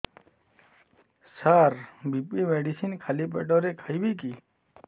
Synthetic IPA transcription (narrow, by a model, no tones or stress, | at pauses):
saɾbipimeɖisinkʰalipḛʈɔɾekʰajbiki